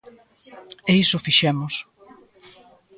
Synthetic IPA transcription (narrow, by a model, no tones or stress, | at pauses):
eisʊfiʃɛmʊs